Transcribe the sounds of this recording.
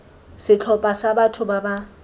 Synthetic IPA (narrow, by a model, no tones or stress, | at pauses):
sɪt͡ɬʰɔpʼasabatʰʊbaba